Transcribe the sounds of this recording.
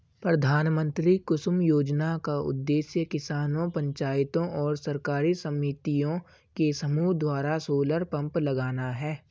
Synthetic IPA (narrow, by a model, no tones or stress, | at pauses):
pɾɐd̪ʱaːnmə̃nt̪ɾikʊʃmjoːd͡ʒnakaʊ̰d̪ːeːsjəkɪsaːnõpɐ̃ɲt͡ʃaːɪt̪õʔɔːɾsɐɾkaːɾisɐmiːt̪ijõ | kesɐmuːɦd̪waːɾasoːləɾpɐ̃mplɐɡaːnaɦɛː